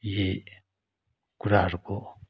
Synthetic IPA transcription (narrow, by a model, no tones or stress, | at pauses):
je | kuɾaʐko